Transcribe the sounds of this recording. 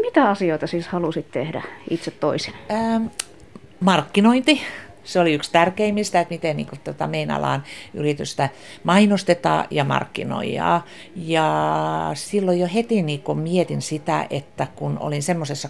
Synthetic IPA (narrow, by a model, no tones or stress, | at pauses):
mit̪æɑsioit̪ɑsiːshɑlusit̪t̪ehdæit̪set̪toisinəː | mɑrkːinoint̪i | seoliykst̪ærkeimːist̪æet̪mit̪ennḭːŋkot̪ot̪ɑmeinɑ̰lɑ̰ːny̰rit̪yst̪æ | mɑinost̪et̪ɑ̰ːjɑmɑ̰rkːḭno̰iɑ̰ː | jɑ | silːojohet̪iniːkommiet̪insit̪æ̰ʔet̪ːækuno̰linsemːosesːɑ